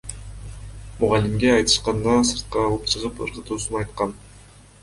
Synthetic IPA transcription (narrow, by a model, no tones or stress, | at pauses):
mʊʁɑlʲimɡʲeɑjt̪ɯ̥ʃqɑnd̪ɑsɯɾt̪̚qɑːlˠɯp̚t͡ʃʰɯʁɯpɯ̰ɾqɯ̆t̪uːsunɑjt̪qɑn